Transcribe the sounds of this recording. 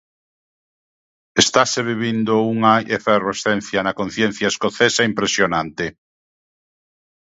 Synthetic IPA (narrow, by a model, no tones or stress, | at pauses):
est̪aseβiβind̪ouŋajʔeferosθen̟θjanakõn̟θjẽn̟θjaeskoθesaimpɾesjonãnt̪e